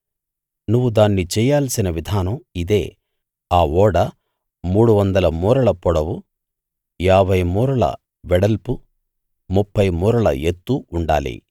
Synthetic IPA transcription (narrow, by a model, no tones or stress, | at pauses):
nuʋːud̪aːnːit͡ʃɛːjaːlɐsinɐʋid̪ʱaːnɐmid̪e̞ː | aːɔːɽɐ | muːɽuʋɐnd̪ɐlɐmuːɾɐlɐpɔɽɐwu | jaːbʱɐjmuːɾɐlɐ̰ | ʋɛɽɐlpu | mupːɐjmuːɾɐlɐ̰et̪ːuuɳɖa̰ːlḭ